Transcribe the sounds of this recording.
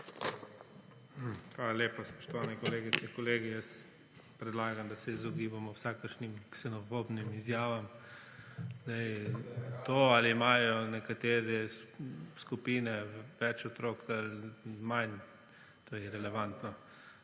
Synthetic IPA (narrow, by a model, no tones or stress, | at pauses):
xʋalaljeːpaspɔ̥ʃt̪ɔʋaːnɛkɔleːɡitt͡s̪ɛkɔleːɡijəst̪ | pɾɛd̪laːɡamd̪asɛizɔɡiːbamɔwsaːkəɾʃnimksɛnɔfobnimizjaːʋam | zd̪aj | t̪oːaliːmaːjɔnɛkat̪eːɾɛ | skupiːnɛʋɛt͡ʃɔt̪ɾoːkʰalman | t̪oːjɛɾɛlɛʋant̪nɔ